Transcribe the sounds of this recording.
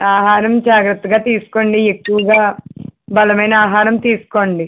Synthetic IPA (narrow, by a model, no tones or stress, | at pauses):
aːɦaːɾɐmd͡ʒaːɡɾɐt̪ːɐɡaːt̪iːsu̥ko̞ːɳɖiekːuʋɐɡaːbɐlɐmɐjnɐaːɦaːɾɐmt̪iːsu̥koɳɖi